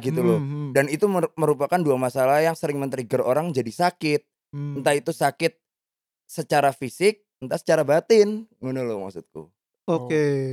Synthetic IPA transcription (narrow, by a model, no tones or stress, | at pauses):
ɡit̪ulʊdanit̪uməɾupakanduamasalahjaŋsəɾɪŋmənt̪əɾiɡəroɾaŋd͡ʒadisakɪt̪̚ | nt̪ait̪usakɪt̪̚ | sət͡ʃaɾafisɪk̚ | nt̪asə̥t͡ʃaɾabat̪ɪnŋunʊlʊma̰ksut̪̚kṵ | oke